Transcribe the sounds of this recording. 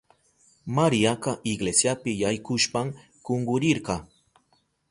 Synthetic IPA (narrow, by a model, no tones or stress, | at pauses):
maɾijakɑʔɪɡlesjapɪjajkʊʃpam | koɴɢʊɾɪɾqɑ